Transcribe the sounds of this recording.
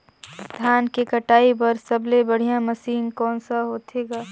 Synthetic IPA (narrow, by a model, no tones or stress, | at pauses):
d̪ʱjaːnkekəʈaːibɐɾsəblebəɽ̤ijãməsiːnkɔːnsaɦoːt̪ʰeːɡaː